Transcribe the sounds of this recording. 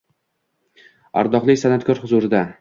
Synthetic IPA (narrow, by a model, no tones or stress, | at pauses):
a̰ɾd̪ɒχlˠɪkʲsanat̪kʰʲɒɾhʊzuɾɪd̪a